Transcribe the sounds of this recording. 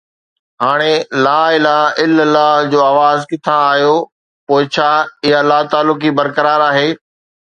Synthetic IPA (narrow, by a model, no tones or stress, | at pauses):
ɦaːɽ̃elaːɪlaɦɪləlːaːɦd͡ʑoːaːʋaːzkɪt̪ʰaːɦijo | poːɪt͡ɕʰaːɪɦalːaːt̪aːlːʊkibɐɾkɐɾaːɾaːɦeː